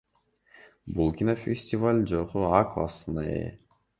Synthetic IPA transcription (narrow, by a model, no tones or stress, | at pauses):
bulˠkʲinofʲesʲtʲivalʲd͡ʒoquaklˠa̰sɨnaḛ